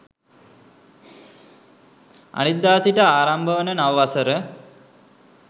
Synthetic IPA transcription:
a̰nit̪̚d̪aːsiʈəaːɾambəʋənənaʋəʋasəɾə

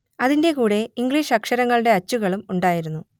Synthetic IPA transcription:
ɐðinde̞kuːɽe̞iŋɡɭiːʂɐkʂɐɾɐŋːɐɭɨɽe̞ɐt͡ɕːuɣɐɭumuɳɖaːjiɾunːu

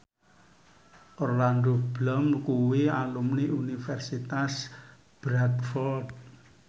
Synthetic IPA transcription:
ʔɔrland̪ob̥lɔmkuwialumniunifɛrsit̪as | b̥ɾakfɔrd̪̚

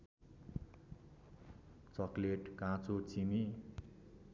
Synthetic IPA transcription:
t͡sʌkleʈkãt͡sot͡simi

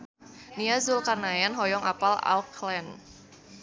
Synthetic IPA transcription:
niazulkarnajanɦɔjɔŋa̰pala̰klɛn

